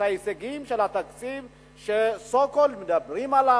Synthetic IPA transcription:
aeseɡimʃelat̪akt͡siv | ʃesokolmed̪abʁimala

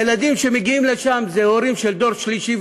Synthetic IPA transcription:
jelad̪imʃe̞meɡiimleʃamzeoɾimʃeld̪o̞ʁʃliʃi

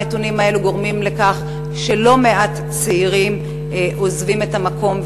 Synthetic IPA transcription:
etunimae̞luɡo̞ʁmimle̞kaχ | ʃe̞lo̞me̞ʔat | t͡seiʁim | ʔo̞zvime̞tamako̞m

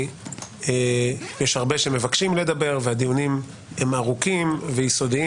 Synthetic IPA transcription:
ejeʃhaʁbeʃeme̞vakʃimle̞d̪abe̞ʁvead̪ijunim | hemaʁukimvejiso̞d̪i

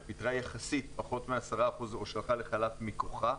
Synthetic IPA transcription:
pit̪ʁajaχasit̪paχo̞t̪measaʁaːχuzo̞ʃelχaleχalafmikoχa

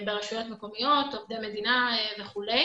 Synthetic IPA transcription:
beʁeʃujo̞tmeko̞mijo̞tovdemedinaveχule

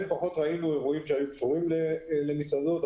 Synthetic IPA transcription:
npaχot̪ʁainue̞ʁuimʃeajukʃuʁimlele̞misad̪ot̪

